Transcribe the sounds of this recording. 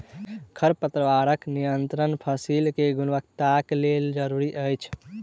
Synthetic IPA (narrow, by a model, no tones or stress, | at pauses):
kʰəɾpət̪ɾəʋaɾəknijənt̪ɾənpʰəsilkeɡunʋək̚t̪akleld͡ʒəɾuɾiʔəjt͡ʃʰ